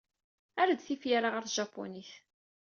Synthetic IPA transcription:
æɾəd̪θifjaɾaʁəɾʒɑpːo̰niθ

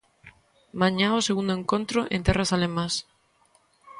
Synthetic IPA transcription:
maɲãoseɣund̪oẽŋkont̪ɾoʔẽnt̪ɛrasalemãs

